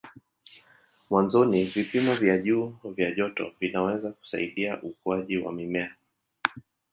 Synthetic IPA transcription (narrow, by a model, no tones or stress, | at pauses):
mwanzɔnivipimɔvjaʄuːvjaʄɔtɔvinawɛzaku̥sa̰iɗiaʔukuaʄiwa̰mimɛa